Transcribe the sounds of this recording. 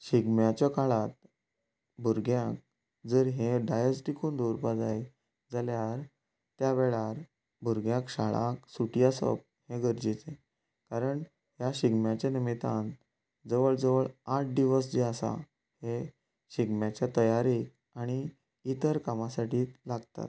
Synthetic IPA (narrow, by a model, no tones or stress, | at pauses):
ɕiɡmjat͡ɕɔkaɭat̪̚ | bʱuɾɡjãk̚ | d͡zəɾɦẽɖajəsʈikund̪uɾpad͡zaj | d͡zaljaɾ | t̪jaʋeɭaɾ | bʱuɾɡjãkɕaɭa̰ksuʈijasə̰p̚hẽɡəɾd͡ʑit͡se | kaɾəɳ | ɦjaɕiɡmjat͡ɕenimit̪an | d͡zəʋəɭd͡zəʋəɭaʈ̚d̪iʋəsd͡ʑeasa̰ | he | ɕiɡmjat͡ɕjat̪əjaɾi | aɽ̃iː | t̪əɾkamasaʈiːt̪laɡt̪a̰t̪